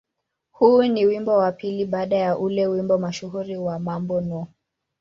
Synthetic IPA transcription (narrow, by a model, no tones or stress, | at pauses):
huːniwimbɔwapiliɓaːɗajaʔulɛwimbɔmaʃuhuɾiwamambɔnɔ